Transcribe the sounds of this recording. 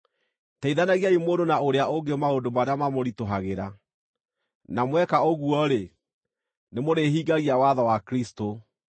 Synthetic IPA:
taiðanaɣiaimoːndonaoɾeaoŋɡemaondomaɾeamamoɾitoɦaɣeɾa | namwɛkaoɣuɔɾe | nemoɾeɦiːɡaɣiawaðawakɾisto

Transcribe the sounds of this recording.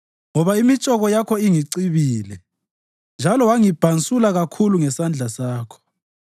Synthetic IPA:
ŋɔβaimit͡ʃʼɔɣɔjakʰɔiŋiǀiβiːlɛ | nd͡ʒʱalɔwaŋib̥ʱant͡sʼulaɣakʰuluŋɛsand͡ɮʱasaːkʰɔ̥

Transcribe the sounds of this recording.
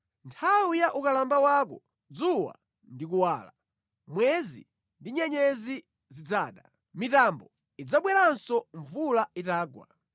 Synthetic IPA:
ntʰawujaʔukalambawak̬ɔ | d͡zuwa̰ | ndik̬uwaːla | mwɛzḭ | ndiɲɛɲɛzi | zid͡zaːɗa | mitambɔ | id͡zaɓwɛɾansɔɱvulaitaːɡwa̰

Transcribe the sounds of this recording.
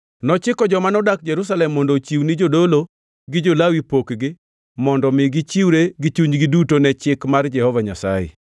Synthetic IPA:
nɔt͡ʃɪkɔd͡ʒɔmanɔdak̚d͡ʒɛɾusalɛmːɔndot͡ʃiwnɪd͡ʒodolo | ɡɪd͡ʒolawipokɡɪ | mɔndɔmɪɡɪt͡ʃiwɾeɡit͡ʃuɲɡɪdutonɛt͡ʃɪkmard͡ʒɛhɔvaɲasa̰jɛ̰

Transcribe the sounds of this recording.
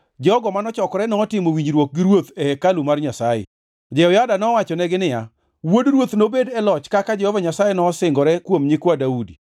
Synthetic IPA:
d͡ʒɔɡɔmanɔt͡ʃɔkɔɾɛnɔːtɪmowiɲd͡ʒɾwok̚ɡɪɾwot̪ɛhɛkalumarɲasajɛ̰ | d͡ʒɛɔjadanɔwat͡ʃɔnɛɡɪnɪja̰ | wodɾwot̪nobedɛlɔt͡ʃkakad͡ʒɛhɔvaɲasajenɔsɪŋɡɔɾɛkwomɲɪkwadaudi

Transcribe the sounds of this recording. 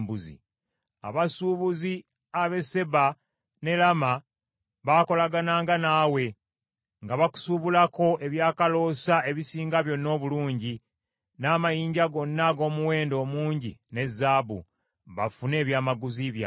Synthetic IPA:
buzḭ | a̰βasuβuzi | aβe̞se̞βa | ne̞lama | βaːko̞laɡanaːŋɡanaːwe̞ | ŋɡaβaku̥suβulako̞ʔe̞βjaːkalo̞sae̞βisiːŋɡaβjo̞nːo̞ːβuluːɲɟi | naːmajiːɲɟaɡo̞nːaɡo̞ːmuwe̞ːndo̞ːmuːɲɟḭne̞zːaːbṵ | βafune̞ːβjaːmaɡuziβja

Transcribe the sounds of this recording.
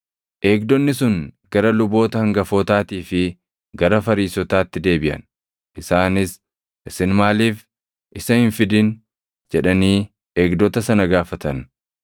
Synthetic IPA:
ʔe̞ːɡ̚d̪ɔnːɪsʊŋɡɐɾɐlʊbo̞ːt̪ɐhɐŋɡɐfɔːt̪aːt̪iːfɪ | ɡɐɾɐfɐɾiːsɔt̪aːt̪ːɪd̪e̞ːbɪʔɐ̰n | ʔɪsaːnɪs | ʔɪsɪnmaːliːf | ʔɪsɐhɪnfɪd̪ɪn | d͡ʒɛᶑɐniː | eːɡd̪ɔt̪ɐsɐnɐɡaːfɐt̪ɐn

